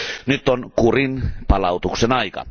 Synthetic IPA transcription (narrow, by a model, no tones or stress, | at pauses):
nyt̪ːonkurinpɑlɑut̪uksenɑikɑ̰